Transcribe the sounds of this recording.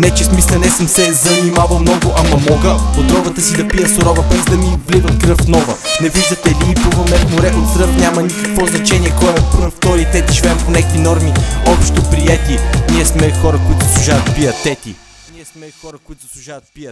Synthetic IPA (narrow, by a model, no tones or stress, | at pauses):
nɛt͡ʃɛsmislɛnɛsəmsɛzɐnimavəmnɔɡoʔamɐmɔɡəpot̪ɾɔvət̪əsid̪ɐpijəsoɾɔvəbɛzd̪ɐmivlivəmkɾɤfnɔvənɛviʒd̪ət̪ɛliːpuvəmnɛfmʊɾɛʔot̪kɾɤfnʲjamɐnikɐkvɔznɐt͡ʃɛnʲiɛkɔɛpft̪ɔɾit̪ɛt̪iʒivɛːmponɛkvinɔɾmiɔpʃt̪opɾiɛt̪iniɛsmɛxɔɾɐkoit̪ʊzəslˠʊʒavət̪pijət̪ːɛt̪i | niɛsmɛxɔɾɐkoit̪ʊzɐslˠʊʒavɐt̪̚piət̪